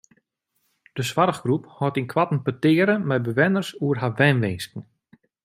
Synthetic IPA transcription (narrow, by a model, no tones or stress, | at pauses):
d̥əsʋaɾəχɡruphɔtinkʰʋatn̩pətɪːəɾəmɛjbəʋɪnərsuərɦaʋɛnʋɪnskn̩